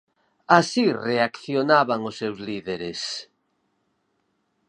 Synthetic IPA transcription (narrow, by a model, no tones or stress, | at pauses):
asireakθjonaβaŋʊsːewzliðeɾes